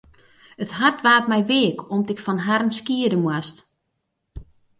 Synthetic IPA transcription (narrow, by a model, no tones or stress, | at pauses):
ətɦartʋaːtmɛjʋɪəkʰɔmtɪkfɔnɦaɾənskiədəmwast